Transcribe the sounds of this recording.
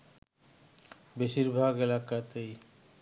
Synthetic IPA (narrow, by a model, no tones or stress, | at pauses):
beʃiɾbʱaɡelakat̪ej